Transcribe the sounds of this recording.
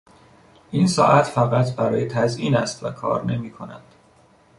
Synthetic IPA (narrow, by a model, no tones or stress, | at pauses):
ʔiːnsɒ̰ːʔæt̪ʰfæɣæt̪ʰbæɾɒːjet̪ʰæzʔiːnæst̪vækʰɒ̰ːɾne̞miːkʰo̞næ̰d̪̥